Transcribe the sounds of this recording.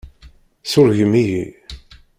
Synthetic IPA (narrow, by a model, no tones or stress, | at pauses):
sʊɾʝəmijḭ